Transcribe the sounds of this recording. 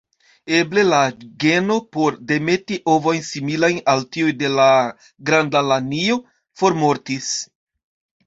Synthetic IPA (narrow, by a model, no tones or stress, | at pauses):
e̞ble̞laɡe̞no̞po̞ɾde̞me̞tiʔo̞vo̞jnsimilajnaltiujde̞la | ɡɾandalanio̞ | fo̞ɾmo̞ɾtis